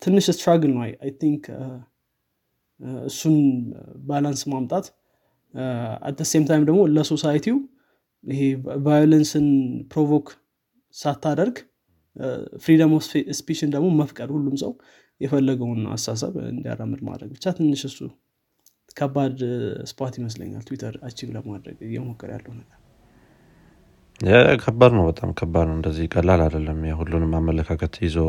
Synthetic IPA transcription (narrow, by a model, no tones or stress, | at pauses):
t̪ʰɨnːɨʃɨst̪ɾaɡnːwa̰jajt̪ʰiŋkʰ | ɨsːunbalansmamt̪ʼat̪ | a̰t̪̚d̪əse̞mt̪ʰajmd̪əɡmo̞ləso̞sajt̪ʰiw | ɪɦevajolənsɨnpʰɾovok | sat̪ʰːad̪əɾɡ | fɾid̪amospiʃɪnd̪əɡmo̞məfkʼəd̪hulːumsəw | jɛfəlːəɡəwuna̰sas̬ə̰βɨ̰nd̪ija̰ɾamːɨd̪ma̰d̪ɾəɡ̚bɨt͡ʃːat̪ʰɨnːɨʃɨsːu | kʰəbad̪spʰʼot̪jɪməs̬lə̰ɲːa̰lt̪ʰwit̪ʰəɾat͡ʃːivləbmad̪ɾə̰ɡɨjɛ̰mokʼːɨɾja̰lːəwnəɡʼə | jakʰəbːad̪nəwbət̪ʼa̰mkʰəbad̪nəwɨnd̪əzːihkʼəlːalad̪əlːəmjahulːunmamːələkʰakʰət̪ʰjɪzo